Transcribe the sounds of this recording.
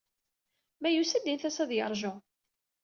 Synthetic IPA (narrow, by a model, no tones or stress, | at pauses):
mæjusæd̪inθæsæðjəɾˤʒʊ